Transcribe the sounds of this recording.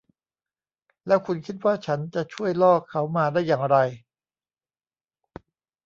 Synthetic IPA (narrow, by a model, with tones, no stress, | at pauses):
lɛ˦˥wkʰu˧nkʰi˦˥t̪̚waː˥˩t͡ɕʰa˦˥nt͡ɕa˨˩t͡ɕʰu˥˩əjlɔː˥˩kʰːa˦˥wmaː˧daː˥˩jːaː˨˩ŋɾa˧j